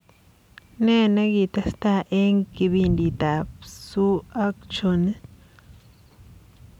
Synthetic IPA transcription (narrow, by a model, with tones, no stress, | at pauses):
ne˦˨na˦ɡi˨t̪a˦st̪a˦ʔe˦ŋki˧βi˧ndi˨t̪a˨psu˦a˦kt͡ʃo˧nɨ˦